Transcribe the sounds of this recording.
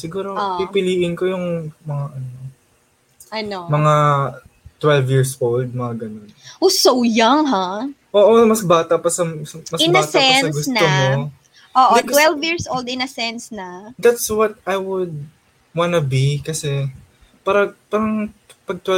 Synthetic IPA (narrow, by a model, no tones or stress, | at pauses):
sɪɡuːɾopipɪliːʔɪnko̞jʊŋmɐŋaʔɐno̞ | ʔɐnomɐŋa | t̪wɛlvjiɹsʔold̪̚mɐŋaɡɐno̞nʔosowjaŋɦaʔoːʔomɐsbaːt̪ɐpɐsɐmɐsɪnnɐsɛnɐɡʊsntnomo | ʔoːʔdoɪt̪wɛlvjiɹsʔowld̪ɪnɐsɛnsnɐd̪at̪swɐt̪̚ʔajwʊd̪̚ | wanɐbikɐsɛ | paːɾɐpaːɾɐŋpɐɡ̚t̪wɛ